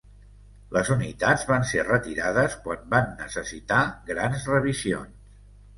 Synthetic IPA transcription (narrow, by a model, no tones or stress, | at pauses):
ləzunit̪ad͡zβanserət̪iɾaðəskwambanːəsəsit̪aɡɾanzrəβ̞izio̰ns